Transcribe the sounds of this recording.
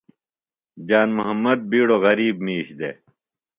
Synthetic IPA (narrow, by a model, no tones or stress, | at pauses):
d͡ʑaːnmuɦɐmːɐd̪̚biːɽoɣɐɾiːbmiːɕd̪ḛ